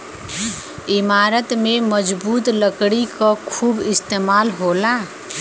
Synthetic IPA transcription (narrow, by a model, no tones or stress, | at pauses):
ɪmaːɾət̪meməd͡ʒbuːt̪ləkɽikakʰuːbɪst̪eːmaːlɦola